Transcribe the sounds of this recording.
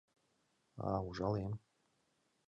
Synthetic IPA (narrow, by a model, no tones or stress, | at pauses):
a̰uʒaljɛm